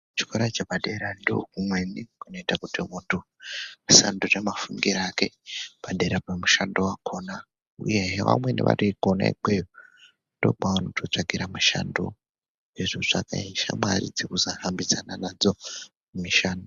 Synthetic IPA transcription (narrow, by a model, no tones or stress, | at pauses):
t͡ʃi̥koɾat͡ʃepaɗe̞ɾandiokumwenikunoitakutimuntʰu | sa̰ndunemafuŋɡiɾaːke̞paɗeɾapamuʃandowakʰona | uje̞ɦeʋa̰mwe̞nḛʋa̰rikona̰ḭk͡pejo | ndo̞̰k͡pawonotʰot͡ʂakiɾamuʃa̰ndo̰ | eʐoʐakaiʃamaɾid͡zikuzahambizananad͡zo̞ | mumiʃaːndo